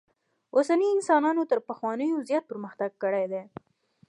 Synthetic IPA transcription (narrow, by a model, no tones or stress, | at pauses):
osaniɪnsɑnɑnot̪əɾpəxwɑnəjozjɑt̪̚pəɾməxt̪aɡ̚kəɽajd̪e